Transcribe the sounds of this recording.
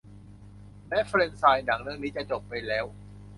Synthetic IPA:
lɛː˦˥fɾe˧nsaː˧jna˩˦ŋɾɯ˧˥˧əŋniː˦˥t͡ɕa˨˩t͡ɕo˨˩pːa˧jlɛː˦˥w

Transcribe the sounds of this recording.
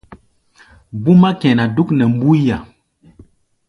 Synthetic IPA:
bu˦ma˦kɛ̃˨na˨du˦knɛ˨mbu˦ja˨

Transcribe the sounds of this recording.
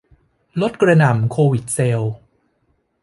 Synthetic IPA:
lo˦˥t̪̚kɾa˧na˨˩˦mkʰoː˧wi˨˩t̪̚se˧w

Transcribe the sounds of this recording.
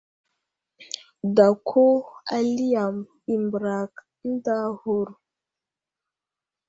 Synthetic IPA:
da˨kʰo˦a˦˨li˦ja˨m | i˨mbɾa˨k | n̩˦da˦ho˦ɾ

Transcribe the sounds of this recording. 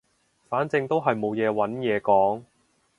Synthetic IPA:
faː˨˥nt͡sɪ˧ŋt̪o˥wɦɐ˨jmo˨˧wjɛː˨˧wɐ˨˥njɛː˨˧kɔː˨˥ŋ

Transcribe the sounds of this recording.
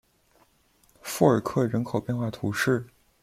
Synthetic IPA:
fu˥˩ə˞˨˩kʰɤ˥˩ɻə˧˥nkʰo˨˩ʊpjɛ˥˧nxwa˥˩t̪ʰu˧˥ʂɻ̩˥˩

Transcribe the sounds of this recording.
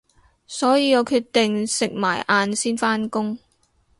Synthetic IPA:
sɔː˨˥jiː˨˧jɔː˨˧kʰyː˧t̪ɪ˨ŋsɪ˨k̚maː˨˩jʔaː˧nsiː˥nfaː˥nkʊ˥ŋ

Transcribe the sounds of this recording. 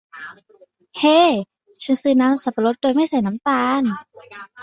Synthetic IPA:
heː˧˥ | t͡ɕʰɯ˧˥˨nsɯː˧˩na˧˥msa˧˩plo˧˦˥t̪̚doː˧jma˥˩jsa˧˩jna˧˦˥mt̪aː˧n

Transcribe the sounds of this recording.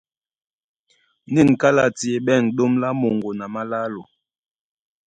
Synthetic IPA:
ni˦˨nka˦la˦˨ti˨e˨ɓɛ˦˨nɗo˦mla˦mo˨ŋɡo˨na˨ma˦la˦lo˨

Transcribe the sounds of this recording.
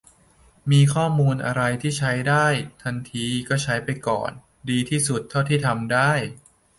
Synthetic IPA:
miː˧kʰɔː˥˩muː˧nʔa̰˧ɾa˧jt̪ʰiː˥˩t͡ɕʰa˦˥jdaː˥˩jt̪ʰa˧nt̪ʰiː˧kɔː˥˩t͡ɕʰa˦˥jpa˧jkɔ̰ː˨˩n | diː˧t̪ʰiː˥˩su˨˩t̪ʰːa˥˩wt̪ʰiː˥˩t̪ʰa˧mdaː˥˩j

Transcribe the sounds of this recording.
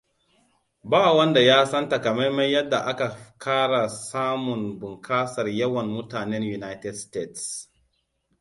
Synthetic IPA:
baː˦wɐ˦nda˨jaː˦sɐ˦nta˨ka˨ma˦jma˦jjɐ˦dːa˨ʔa˦ka˨kʰaː˦ɽa˨saː˦mʊ˨nbʊ˨ŋkʰaː˦sɐ˨rjɐ˦wɐ˨nmʊ˦taː˨nɛ˦nju˨na˦jtɛ˨dste˦˨ts

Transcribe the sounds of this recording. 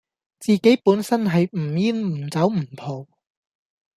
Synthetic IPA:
t͡siː˨˧ke˨˥jpuː˨˥nsɐ˥nɦɐ˨jm̩˨˩jiː˥nm̩˨˩t͡sɐ˨˥wm̩˨˩pʰo˨w

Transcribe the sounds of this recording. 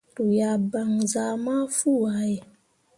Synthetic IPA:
tu˨ja˨ba˨ŋza˨˦ma˦fu˦˨wa˨˦j

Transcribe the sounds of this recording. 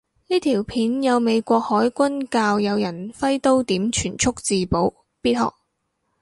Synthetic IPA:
niː˥t̪ʰiː˨˩wpʰiː˨˥njɐ˨˧wme˨˧jkʷɔː˧k̚hɔː˨˥jkʷɐ˥nkaː˧wjɐ˨˧wjɐ˨˩nfɐ˥jt̪o˥wt̪iː˨˥mt͡ʃʰyː˨˩nt͡ʃʰʊ˥k̚t͡siː˨po˨˥w | piː˥t̚hɔ̰ː˨k̚

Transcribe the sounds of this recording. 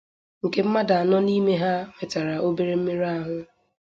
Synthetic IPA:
ŋ̩˨ke˦m̩˦ma˦da˨a˨nɔ˦ni˦me˦ɦa˦me˨ta˨ɾa˨ʔo˦be˦ɾe˦m̩˦me˦ɾa˦ɦʊ˦

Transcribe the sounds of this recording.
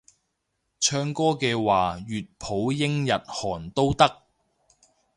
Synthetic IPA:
t͡ʃʰœː˧ŋkɔː˥kɛː˧waː˨jyː˨t̚pʰo˨˥wjɪ˥ŋjɐ˨t̚hɔː˨˩nt̪o˥wt̪ɐ˥k̚

